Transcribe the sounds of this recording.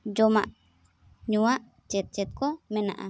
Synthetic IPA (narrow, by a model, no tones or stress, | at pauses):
d͡ʒɔmaʔ | ɲuaʔ | t͡ʃɛt̪̚t͡ʃɛt̪̚kɔmɛna̰ʔa̰